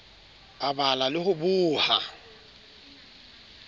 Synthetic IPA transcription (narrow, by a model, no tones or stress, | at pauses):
abalalɪhʊbuːha